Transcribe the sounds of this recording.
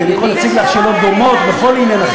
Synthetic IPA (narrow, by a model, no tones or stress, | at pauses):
anikolhat͡siɡlaχʃalo̞t̪̚d̪o̞mot̪beχo̞linenaχ